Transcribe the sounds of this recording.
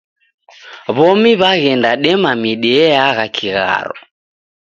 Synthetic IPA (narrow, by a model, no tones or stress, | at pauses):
βɔmiβaɣɛndaɗɛmamiɗɛɛaɣakʰiɣa̰ɾɔ̰